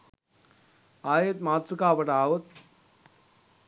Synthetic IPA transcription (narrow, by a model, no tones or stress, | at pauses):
aːjet̪̚maːt̪ɾukaːpəʈaːʋət̪̚